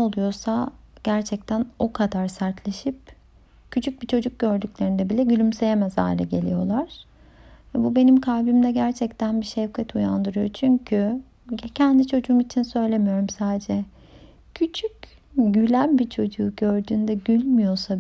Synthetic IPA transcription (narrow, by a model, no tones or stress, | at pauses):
olˠujo̞saɟ̥æɾt͡ʃʰɛc̚t̪ʰæno̞kʰad̪aɾsaɾt̪ʰlʲe̞ʃip̚ | cʰyt͡ʃʰyc̚bit͡ʃʰo̞d͡ʒuk̚ɟø̞ɾd̪ycʲlʲe̞ɾind̪ɛbilʲɛɟylʲymse̞jemɛzha̰ːilʲɛ̰ɟe̞̰lʲḭjo̞̰lˠaɾ̥ | vɛbube̞nimkʰalbimd̪ɛɟæɾt͡ʃʰɛc̚t̪ʰænbiʃɛvkʰɛt̪ʰujand̪ɯɾɯjo̞t͡ʃʰyɲcʰy | cʰɛnd̪it͡ʃʰo̞d͡ʒuːmit͡ʃʰinsø̞jlʲe̞mijo̞ɾumsaːd̪ed͡ʒɛ | cʰyt͡ʃʰyc | ɟylʲænbit͡ʃʰo̞d͡ʒuːɟø̞ɾd̪yːnd̪ɛɟylʲmijo̞sa